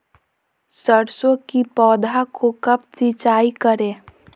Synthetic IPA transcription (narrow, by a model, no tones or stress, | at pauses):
səɽsõkipɔːd̪ʱakʰokɐb̚t͡ʃit͡ʃaːikəɾeː